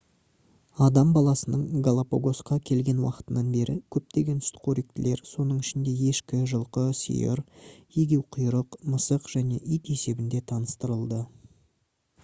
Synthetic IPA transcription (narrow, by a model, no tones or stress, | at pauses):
ɑd̪ɑmbɑlˠɑsənəɴɡalˠapoɡo̞sqɑkʲʰe̞lɡʲe̞nwɑ̰qə̥t̪ənɑnbe̞ɾɪkʲʰɵp̚t̪e̞ɡʲe̞nɪ̥st̪ɪ̥qʰoɾik̚t̪ɪle̞ɾso̞nəɴɪʃɪnd̪e̞je̞ʃkʲɪʒəlˠqəsḭjɪ̰ɾje̞ɡʲe̞wqʰʊjɾəqməsəqʒ̥æne̞̰ʔʏjt̪e̞se̞bɪnd̪e̞t̪ʰɑnəst̪əɾəlˠd̪ə